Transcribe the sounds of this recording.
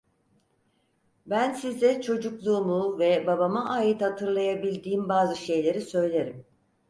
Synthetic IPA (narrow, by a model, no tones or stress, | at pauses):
bænsizɛt͡ʃʰo̞d͡ʒuklˠuːmuvɛbabamaʔaːjit̪hat̪ʰɯɾlˠajabilʲd̪iːmbaːzɯʃe̞jlʲe̞ɾisø̞jlʲeɾim